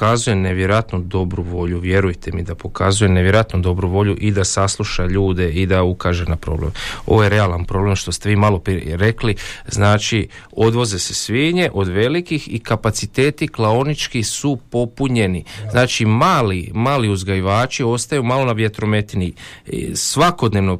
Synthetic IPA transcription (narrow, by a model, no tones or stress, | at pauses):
azuje̞neʋje̞ɾoat̪nud̪o̞bɾuʋo̞ʎuʋje̞ɾujt̪emid̪apo̞kazuje̞neʋjeɾoat̪nud̪o̞bɾuʋo̞ʎuʔid̪asaslˠuʃaʎuːd̪e̞id̪aukaːʒenapɾo̞blḛmo̞̰ʋoje̞ɾe̞alˠanpɾo̞ble̞mʃt̪o̞st̪eʋiːmalˠo̞piɾe̞kliznaːt͡ʃi | o̞d̪ʋo̞ze̞se̞sʋiːɲe̞ʔo̞d̪ʋe̞likixikapat̪sit̪e̞ːt̪iklaonit͡ʃkisupo̞puɲe̞niznaːt͡ʃimaːlimaːliuzɡajiʋaːt͡ʃio̞st̪ajumalo̞naʋje̞t̪ɾo̞me̞t̪iniḭsʋako̞d̪neʋno̞